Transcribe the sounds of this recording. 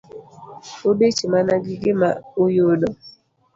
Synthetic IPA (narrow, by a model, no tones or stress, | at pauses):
obet͡ʃimanaɡiɡimaujoɗɔ